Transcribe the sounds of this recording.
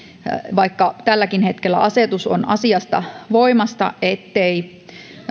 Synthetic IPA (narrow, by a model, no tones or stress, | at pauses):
ʋɑikːɑt̪ælːækinhet̪kelːæ̰ʔɑset̪uso̰nɑ̰siɑst̪ɑ̰ʋoimɑst̪ɑ̰et̪ːei